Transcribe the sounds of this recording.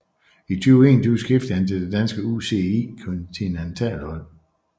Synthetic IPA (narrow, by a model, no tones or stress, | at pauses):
it͡sʰyʊe̝̰ːnd̥ʰusɡ̥efd̥ænd̥əd̥ed̥ænsɡ̥əuse̝ḭːkʰɔnt͡sʰinent͡sʰɛ̰ːlhɒ̽l̰